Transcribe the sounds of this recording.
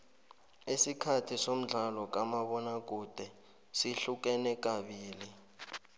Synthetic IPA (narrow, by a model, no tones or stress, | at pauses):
esikʰatʰisom̩ɮʱalɔk̬ʼamaɓɔnak̬ud̥ʱɛ | siɬuk̬ɛnɛk̬ʼaɓiːli